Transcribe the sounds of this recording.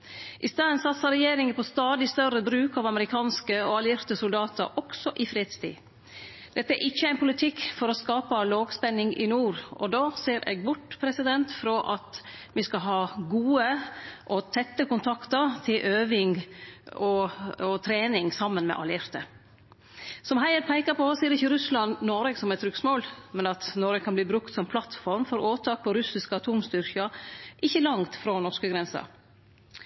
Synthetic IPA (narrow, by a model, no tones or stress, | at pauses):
ʔɪst̪ɑːənsɑt̪sɑɾɛjeːɾɪŋəpʰɔst̪ɑːd̪ɪst̪œɾəbɾʉːkɑːʋɑməɾɪkʰɑːnskəɔɑljɪɾt̪əsʊld̪ɑːt̪ə̰ɾʔɔksɔʔɪfɾeːd̪st̪ʰḭː | d̪̥ɛt̪ːəæɾʔɪçːəæɪnpʰʊlɪt̪ʰɪkːfɔɾɔskɑːpɑloːɡspɛnːɪŋɪ̰nuːɾʔɔd̪ɑːseːɾʔḛːɡ̚bʊʈːpʰɾɛsɪd̪ɛnt̪fɾɔʔɑt̪ | ʋɪskɑɦɑːɡuːəʔɔt̪ʰɛt̪ːəkʊnt̪ʰɑkt̪əɾt̪ʰɪlʔøːʋɪŋ | ɔɔt̪ʰɾeːnɪŋsɑmːənmɛ̰ʔɑ̰ljɪɾt̪ə | sɔmɦæɪəɾpʰæɪkɑpɔɔsiːəɾɪçːəɾʉslɑnnɔɾɛɡsɔmɛt̪ʰɾʉksmoːlmɛnɑt̪nɔɾəkʰɑnbliːbɾʉkt̪sɔmpʰlɑt̪fɔɾmfɔɾoːt̪ʰɑːk̚pʰɔɾʉsɪskəɑt̪ʰuːmst̪ʏɾkɑʔɪçːəlɑŋt̪fɾɔnɔʂkəɡɾɛnsɑ̰